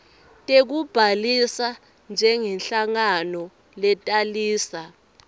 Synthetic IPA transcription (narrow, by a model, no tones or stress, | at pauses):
tʼek̬ub̥ʱalisa | nd͡ʒʱɛŋɛnɬaŋanɔ | lɛtʼaliːsa